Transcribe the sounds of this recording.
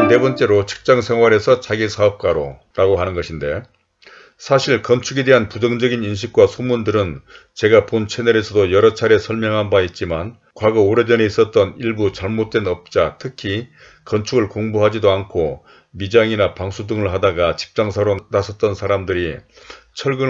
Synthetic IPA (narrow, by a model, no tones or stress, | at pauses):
de̞bʌnt͡ɕ͈e̞ɾot͡ɕʰi̥k̚t͡ɕ͈aŋsʰe̞ŋwaɾe̞sʰʌt͡ɕaɡisʰaʌp̚k͈aɾo̰ | ɾaɡoɦanɯnɡʌɕʰinde̞ | sʰaɕʰiɭkʌnt͡ɕʰuɡede̞ɦanpud͡ʑʌŋd͡ʑʌɡininɕ̬ʰik̚k͈wasʰomundɯɾɯnt͡ɕe̞ɡapont͡ɕʰe̞neɾe̞sʰʌdojʌɾʌt͡ɕʰaɾe̞sʰʌɭmjʌŋɦanbait̚t͡ɕ͈iman | kwaɡʌoɾe̞d͡ʑʌne̞is͈ʌt̚t͈ʌniɭbut͡ɕaɭmot̚t͈we̞nʌp̚t͡ɕ͈atʰɯkʰi | kʌnt͡ɕʰuɡɯɭkoŋboɦad͡ʑidoankʰo | mid͡ʑaŋinapaŋsʰudɯŋɯɭɦadaɡat͡ɕi̥k̚t͡ɕ͈aŋsʰaɾonasʰʌt͈̚ʌnsʰaɾamdɯɾit͡ɕʰʌɭɡɯn